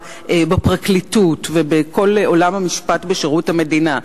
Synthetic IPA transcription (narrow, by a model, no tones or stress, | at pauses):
ʔbepʁaklitutvebekʰo̞lo̞lamhamiʃpatbeʃeʁuthame̞dina